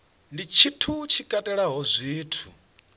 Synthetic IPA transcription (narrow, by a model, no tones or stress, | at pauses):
ndit͡ʃʰitʰut͡ʃʰikʼatʼɛɺaɦɔzʷiːtʰu